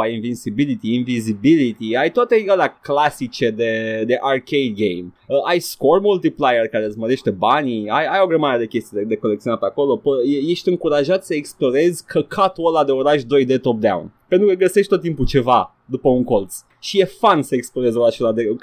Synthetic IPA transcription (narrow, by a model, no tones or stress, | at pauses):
ajinvinsibilit̪iːnvizibilit̪iajt̪oat̪ealaklasit͡ʃe̞d̪e̞d̪e̞ʔarkejd̪̚ɡejməʔajsko̞rmult̪iplajerkaɾezməɾe̞ʃt̪e̞banʲiajajo̞ɡɾemaɾed̪e̞kʲe̞st̪ied̪ed̪e̞ko̞lekt̪sionatpeako̞lo̞pəeje̞ʃt̪ʲɨŋkuɾaʒat̪səeksplo̞ɾe̞zʲkʰəkʰat̪olad̪e̞o̞ɾaʃd̪o̞jd̪e̞t̪o̞p̚d̪a̰w̰npent̪ɾukəɡəse̞ʃt̪t̪ot̪ːimput͡ʃe̞va | d̪upəuŋko̞lt̪s | ʃije̞fansəeksplo̞ɾe̞zo̞ɾaʃolad̪e̞